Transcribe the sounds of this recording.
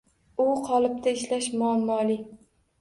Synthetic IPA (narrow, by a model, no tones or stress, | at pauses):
ʊqʰɒlˠɪp̚t̪ʰaɪʃlaʃmʊamːɒlɪ